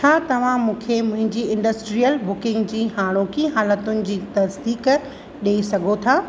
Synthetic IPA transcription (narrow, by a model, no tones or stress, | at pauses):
t͡ɕʰaːt̪ɐʋ̤ãmũːkʰemʊ̃ɦɪ̃ɲd͡ʑiɪ̃ɳɖəsʈɾijəlbʊkɪ̃ŋɡd͡ʑiːɦaːɽ̃okiɦaːlət̪ʊnɪ̆d͡ʑiːt̪ɐsd̪iːk | ɗeisɐɡʱot̪ʰaː